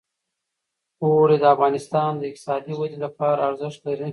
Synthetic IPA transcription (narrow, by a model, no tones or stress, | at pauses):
oɾed̪əafɣɑnɪst̪ɑnd̪əɪqt̪ɪ̥sɑd̪iwad̪ilapɑɾaːɾzɪʂt̪laɾn